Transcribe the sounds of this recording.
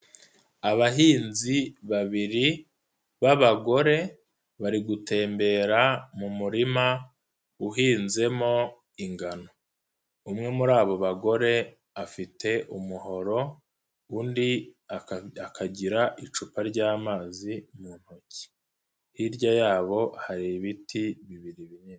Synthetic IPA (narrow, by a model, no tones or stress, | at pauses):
aβaɦiːnziβaβiɾi | βaβaɡo̞ɾe̞ | βaɾiɡute̞ːmbe̞ːɾamumuɾima | uɦiːnze̞mo̞ | iŋɡano̞ | umŋe̞muɾaːβo̞βaɡo̞ɾe̞ | afitʰe̞ʔumuho̞ɾo̞ | undiaakʰaɟiɾaʔit͡ʃupaɾɟaːmaːzimuːn̥hoci̥ | hiɾɟajaːβo̞haɾiβitʰiβiβiɾiβiɲeː